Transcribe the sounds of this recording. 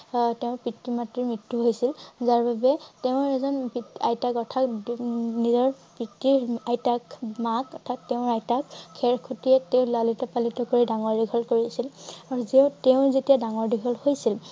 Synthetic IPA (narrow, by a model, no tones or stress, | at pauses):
teʊ̃pitːimatɹiɹmɹitːuɦojsilzaɹbabɛteʊ̃ɛzɔnpiajtakɔtʰak | nizɔɹpɹitːiɹajtakmakɔtʰatːeʊ̃ɹajtakʰːɛɹkʰutiɛteʊ̃lalitɔpalitɔkoɹidaŋɔɹdiɡʱɔlkoɹiasilaɹuzeʊ̃teʊ̃zetijadaŋɔɹdiɡʱɔlhojsil